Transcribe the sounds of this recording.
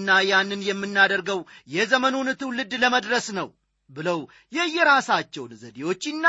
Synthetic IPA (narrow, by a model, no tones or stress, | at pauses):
nːajanːɨnjɛmːɨnːad̪əɾɡəwjɛzəmənonɨt̪ɨwlɨd̪ləməd̪ɾəsnəw | bɨləw | jɛjːɛɾasat͡ʃːɛwnzəd̪ewo̞t͡ʃːɪnːa